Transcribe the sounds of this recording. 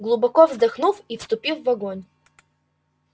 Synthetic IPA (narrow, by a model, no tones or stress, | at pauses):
ɡlˠʊbɐkɔvzd̪ɐxnufifst̪ʊpʲifvɐɡonʲ